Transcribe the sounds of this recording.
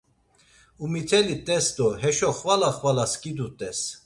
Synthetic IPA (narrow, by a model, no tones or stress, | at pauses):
umit̪ʰɛlit̪ʼɛsd̪ɔɦɛʃɔχvalaχvalaskʼid̪ut̪ʼɛs